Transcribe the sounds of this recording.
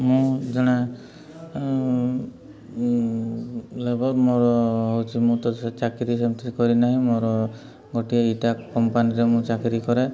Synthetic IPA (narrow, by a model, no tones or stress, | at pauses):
mũd͡ʒɔɽ̃a | lebɔɾmɔɾɔɦowt͡ʃʰimũt̪ɔd̪set͡ʃakiɾisemt̪ʰikɔɾinaɦĩmɔɾɔ | ɡɔʈijaiʈakːɔmpaniɾemũt͡ʃakiɾikɔɾɛ